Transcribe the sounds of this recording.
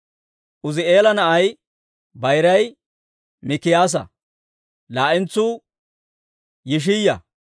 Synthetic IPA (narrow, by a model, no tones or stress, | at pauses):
ʔʊzɪeːlɐnɐʔɐj | bɐjɾɐj | mɪkːɪjaːs̬ɐ̰ | laːʔɪnt͡sːuː | jɪʃ̬ɪjːɐ̰